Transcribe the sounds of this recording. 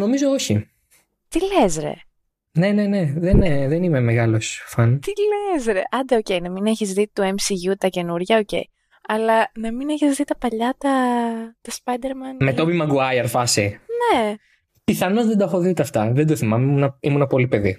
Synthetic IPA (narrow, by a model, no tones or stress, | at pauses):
no̞mizo̞oçi | t̪ile̞zɾe̞̰ | ne̞nene̞ðenðenime̞meɣɐlo̞sfɐnt̪ilezɾeʔɐnd̪ɐoce̞jnɐmineçizðit̪ue̞msiʝut̪ɐce̞nuɾʝɐoce̞̰j | ɐlɐnɐmine̞çizðit̪ɐpɐʎɐt̪ɐt̪ɐspɐjd̪e̞ɾmɐnme̞t̪opimɐɡuɐjɐɾfɐsine | piθɐnozðed̪ɐxo̞ðit̪eɐft̪ɐðend̪oθimɐmeunɐimunɐpo̞lipe̞ði